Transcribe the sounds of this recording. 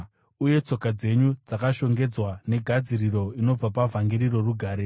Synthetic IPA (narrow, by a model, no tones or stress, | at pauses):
uje̞t͡so̞kad͡ze̞ɲud͡zakaʃo̞ŋɡe̞d͡zwane̞ɡʱad͡ziriɾo̞ino̞b͡vapavaŋɡiɾiro̞ruɡʱaːɾe